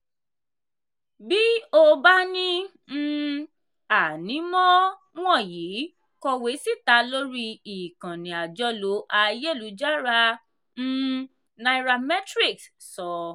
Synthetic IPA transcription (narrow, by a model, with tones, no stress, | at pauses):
bi˦o˦ba˦nĩ˦ | a˨nĩ˨˦mɔ̃˦ | w̃ɔ̃˦˨ji˨˦ | kɔ˧we˨˦si˦˨ta˨˦lo˦ɾi˧i˨kã˨nĩ˨a˨d͡ʒɔ˧˦lo˨˦ʔa˧je˦˨lu˨˦d͡ʒa˦ɾa˧ | n̩˦ | na˧i˦˧ɾa˧mɛ˦tɾi˦˨ks | sɔ˨